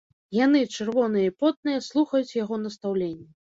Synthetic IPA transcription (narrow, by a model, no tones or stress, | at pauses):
jan̪ɨt͡ʂɨrvɔnɨjɐipɔt̪̚nɨjɐslˠuxɐjut͡sʲjaɣɔnɐst̪awlʲenʲːɐ